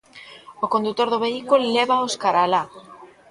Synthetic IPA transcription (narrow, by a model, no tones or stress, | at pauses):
okond̪ut̪oɾðoβeikulleβaoskaɾala